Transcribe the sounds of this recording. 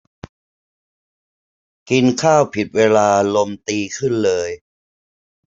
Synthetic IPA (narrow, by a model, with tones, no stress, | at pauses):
ki˧nkʰaː˥˩wpʰi˨˩t̪̚weː˧laː˧lo˧mt̪iː˧kʰɯ˥˩nlɤː˧j